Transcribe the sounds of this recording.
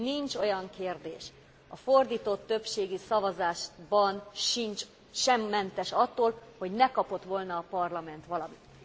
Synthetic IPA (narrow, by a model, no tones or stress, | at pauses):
nint͡ʃo̞jɒŋkeːrd̪eːʃ | ɒford̪iːt̪o̞t̪ːø̞pʃeːɡisɒvɒzaːʃbɒnʃint͡ʃ | ʃɛmːɛnt̪ɛʃɒt̪ːoːlho̞ɟnɛkɒpo̞t̪ʋo̞lnɒːpɒrlɒmɛn̪t̪ʋɒlɒmit̪